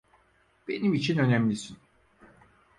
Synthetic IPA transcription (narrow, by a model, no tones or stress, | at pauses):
b̥e̞nimit͡ʃʰinø̞næmlʲisin